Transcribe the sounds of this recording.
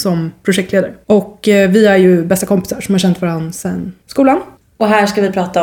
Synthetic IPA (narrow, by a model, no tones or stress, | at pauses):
sɔmpʰɾʊʂɛk̚t̪leːd̪aɾəɔkːvɪæɾjɵbɛst̪akɔmpɪ̥saʂɔmhaɾɕɛnt̪vaːɾansɛnskuːlan | ɔɦæːʂkavɪpʰɾɑːt̪a